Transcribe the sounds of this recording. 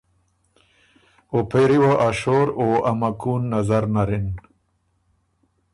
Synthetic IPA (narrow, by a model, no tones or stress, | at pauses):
opeɾiwaʔaʃoɾoamakuːnːazaɾnaɾin